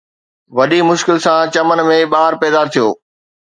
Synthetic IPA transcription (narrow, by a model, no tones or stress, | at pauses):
ʋɐɗimʊʃkɪlsãt͡ɕɐmən̆mẽɓaːɾpɛːd̪aːɾt̪ʰijoː